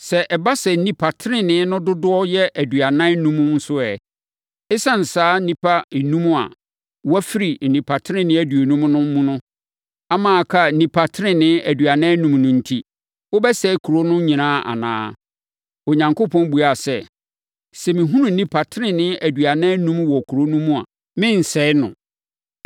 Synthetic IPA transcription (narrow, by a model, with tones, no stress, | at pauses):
sɛ˨ʔɛ˨ba˦sɛ˨n̩˨nĩ˦pʰa˨tʰɪ˦ɾɪ̃˦nɪ̃˦nʊ̃˦dʊ˦dʊ˦ɔ˦jɛ˦ʔæ˨dɥa˨nã˦nũ˦mũ˦n̩˦sʊ˦ɛ˨ | ɪ˦sã˦n̩˨saː˦nĩ˦pʰa˦˨nũ˦m̃˦a̰˨ | wæ˦fi˦ɾi˨n̩˨nĩ˨pʰa˨tʰɪ˦ɪ̃˦nɪ̃˦æ˦˨du˨o˨nũ˦m˦nʊ̃˦m̩˦mũ˦nʊ̃˦ | a˦mãː˨kʰa˦˨nĩ˨pʰa˨tʰɪ˦ɾɪ̃˦nɪ̃˦æ˨dɥa˨nã˦nũ˦mnʊ̃˨n̩˦tʰi˦ | wʊ˦bɛ˦sɛ˦kʰu˨ɾo˦nʊ̃˦ɲĩ˨nãː˦˨ʔa̰˨nã̰ː˦ | o˨ɲã˨ŋko˦pʰɔ̃˦n˦bu˨a˨sɛ˦ | sɛ˨mɪ̃˨ɦũ˦nũ˨nĩ˦pʰa˨tʰɪ˦ɾɪ̃˨nɪ̃˦æ˨dɥa˨nã˦nũ˦mwɔ˨kʰu˨ɾo˦nũ˦mũ˦a̰˨ | mɪ̃˦n̩˨sɛ˦ɪ˦nʊ̰̃˨